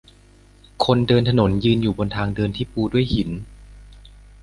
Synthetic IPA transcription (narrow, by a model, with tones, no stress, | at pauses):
kʰo˧ndɤː˧nt̪ʰa˧no˩˦njɯː˧njuː˨˩bo˧nt̪ʰaː˧ŋdɤː˧nt̪ʰiː˥˩puː˧du˥˩əjhi˩˦n